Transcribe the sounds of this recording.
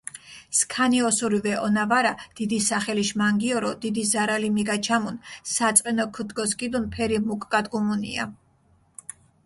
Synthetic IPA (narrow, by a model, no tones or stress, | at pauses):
skʰaniɔsuɾivɛʔɔnavaɾad̪̥id̪isaχɛliʃmaŋɡiɔɾɔd̪id̪izaɾalimiɡat͡ʃʰamunsat̪sʼqʼɛnɔkʰud̪ɡɔskʼid̪unpʰɛɾimukʼɡad̪ɡumunḭa̰